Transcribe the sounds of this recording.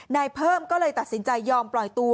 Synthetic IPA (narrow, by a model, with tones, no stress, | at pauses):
naː˧jpʰɤː˥˩mkɔː˥˩lɤː˧jt̪a˨˩t̪̚si˩˦nt͡ɕa˧jːɔː˧mplɔ˨˩jt̪u˧